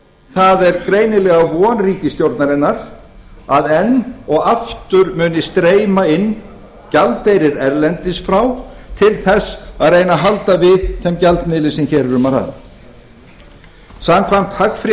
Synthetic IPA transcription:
θaðɛɾkɾeːjnɪlɛɣavɔːnriːcɪsc̪jowɾt̪naɾɪnːaɾ̥ | aðɛnɔɣaft̪ʏɾmʏːnɪst̪ɾeːjmaɪnː | calt̪ejɾɪɾɛɾlɛnt̪ɪsfɾawt̪ʰɪlθɛsːaðrejnaɦalt̪avɪðθɛmcalt̪nɪːlɪsɪmçɛːɾɾʏmaɾha̰ð | samkʰvajm̥t̪hakfɾɪ

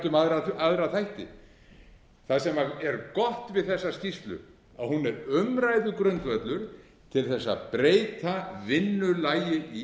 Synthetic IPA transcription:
t̪ʏmaðɾaaðɾaθʰajht̪ɪ̰ | θaðsɛmaɛɾkɔht̪vɪðθɛsːascist̪lʏ̰ | a̰ðhunɛɾʏmɾajðʏkɾœnt̪vœt̪lʏɾ̥ | t̪ʰɪlθɛsːa̰pɾeːjt̪ʰavɪnːʏlajɪi

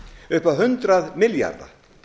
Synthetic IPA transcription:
ʏhpaðɦʏnt̪ɾaðmɪlja̰ɾða̰

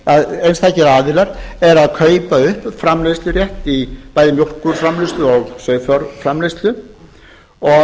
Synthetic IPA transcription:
aðejnst̪ʰajhcɪɾaːðɪlaɾɛɾaðkʰœːɥpaʏhpfɾamlejst̪lʏrjɛht̪ipaːjðɪmjor̥kʏɾ̥fɾamlest̪lʏɔɣsœːɥðfɔɾfɾamlejst̪lʏ | ɔ

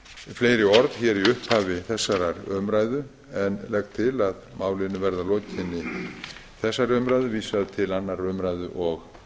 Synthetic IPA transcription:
fleːjɾɪɔɾðçɛːɾiʏhphaːvɪθɛsːaɾaɾœmɾaːjðʏ | ɛnlɛkt̪ʰɪlaðmaːwlɪnʏvɛɾðaloːcɪnːɪ | θɛsːaɾœmɾaːjðʏviːsaðɪt̪ʰɪlanːaɾœmɾajðʏʔɔɣ

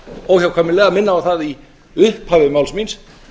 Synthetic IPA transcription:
ɔwçawkʰaːmɪlɛːɣamɪnːaawθaði | ʏhphavɪðmawlsmins

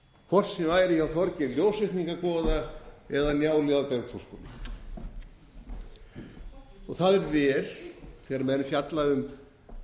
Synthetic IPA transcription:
kʰvɔr̥snɪvaːjɾɪçawθɔɾcɪljoːwsɪht̪niŋkapɔːðaɛðanjaːwlɛðapɛɾkfɔ̥skɔnna | ɔɣθaðɛɾvɛːlθɛɣɾamɛðɾɪfjat̪laʏm

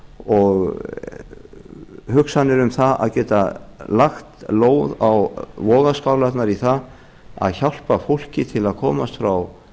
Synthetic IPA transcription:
ɔɣ | hʏksanːɪɾʏmθaa̰ðcɛːt̪alaxt̪loːwðawvɔːɣaskawlat̪naɾiθað | a̰ðçawl̥pafowl̥cɪt̪ʰɪlaðkʰɔːmast̪fɾaw

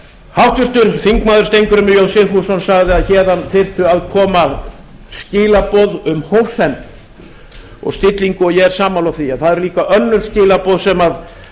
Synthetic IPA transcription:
hawht̪vɪr̥t̪ʏɾ̥θiŋkmaːðʏɾ̥st̪ejŋkʏɾʏmɪjowsɪfusɔnsaɣðɪaðçɛːðanθer̥t̪ʏaðkʰɔːma | scɪːlapɔðʏmhowsɛn | ɔ̰ɣst̪ɪt̪liŋkʏɔɣjɛɣɛɾ̥saːmawlawθiaðθaðɛɾʏliːkaʔœnːʏlscɪːlapɔwðsɛmað

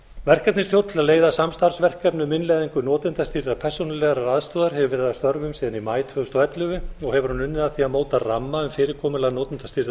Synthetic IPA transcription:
vɛr̥kap̪nɪnst̪jowt̪ʰɪlaðleːjðasamst̪aɾsvɛr̥kapnʏmɪnlɛːðiŋkʏnɔːt̪ɪnt̪ast̪iɾðapʰɛr̥sownɪlɛɣaɾaɾaðst̪ɔːðaɾ̥hɛvʏvɛɾɪðast̪œɾvʏmsiːðanimaːjt̪vœðʏst̪ɔɛt̪lʏvɪɔɣhɛvʏɾ̥hunʏnːɪðaθiamoːwt̪aramːaʏmfɪːɾɪɾkʰɔːmʏlaɣnɔːt̪ɪnt̪ast̪iɾð

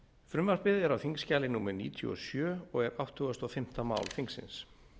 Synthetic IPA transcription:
fɾʏmvaɾ̥pɪðɛɾawθiŋkscaːlɪnuːmɛɾnḭːt̪ʰjṵɔ̰sjœːɔɣɛɾawht̪hʏɣast̪ɔfɪm̥t̪ama̰ːwlfiŋksɪ̰ns

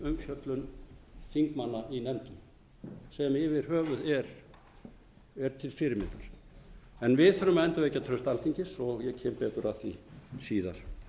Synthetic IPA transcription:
ʏmçjœt̪lʏnθiŋkmanːaʔinɛnt̪ʏ | sɛmɪvɪɾ̥ɦœːvʏðɛɾ | ɛɾt̪ʰɪlfɪɾɪɾmɪnt̪aɾ̥ | ɛnvɪðθœɾʏmɛnt̪avejcːat̪ʰɾœɥst̪alθiɲcɪsɔɣjɛcʰɛːmpɛːt̪ʏɾaθisiːða̰ɾ̥

